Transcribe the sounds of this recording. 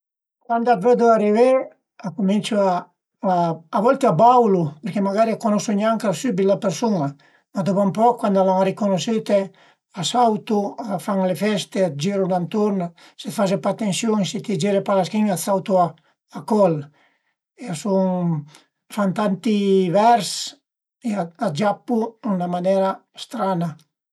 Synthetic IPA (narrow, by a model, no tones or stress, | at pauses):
kwand̪avød̪uariveɾ | akumint͡ʃua | aːvɔlt̪eabawlupeɾkemaɡaɾiakonosuɲaŋkasybilapeɾsuna | mad̪opampɔkːwand̪alaŋaɾikonosit̪e | asawt̪uafaŋlefɛst̪ead͡ʒiɾud̪ant̪oɾna | set̪fad͡ʒepat̪ːensjoŋset̪id͡ʒiɾepalaskiŋasawt̪uaː | kɔl | easuŋ | fant̪ant̪ivɛɾs | eaad͡ʒapːuunamanɛɾast̪ɾana